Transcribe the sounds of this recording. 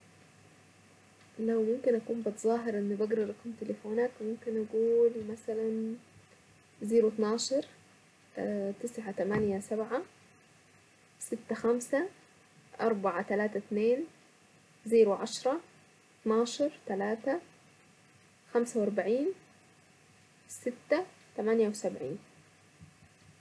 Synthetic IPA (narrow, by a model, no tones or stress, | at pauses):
lawmʊmkɪnʔakuːmbɪt̪zˤɑːɦɪɾʔɪnːibaɡɾɑɾˤʔakumt̪ɪlɪfoːnaːkmʊmkɪnʔaɡuːlmasalan | ziːɾut̪nɑːʃɑɾˤ | t̪ɪsʕat̪amanjasabʕa | sɪt̪ːaxamsa | ʔɑɾˤbɑʕat̪alaːt̪at̪neːn | ziːɾuʕɑʃɾˤɑ | t̪nɑːʃɑɾˤt̪alaːt̪a | xamsawʔɑɾˤbaʕiːn | sɪt̪ːa | t̪amanjawɪsabʕḭːn